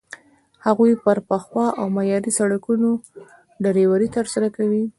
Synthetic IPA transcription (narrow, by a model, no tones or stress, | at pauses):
haɣujpəɾpəxwɑʔawmajɑɾisaɽakuno | ɖaɾewaɾit̪əɾsaɾakawi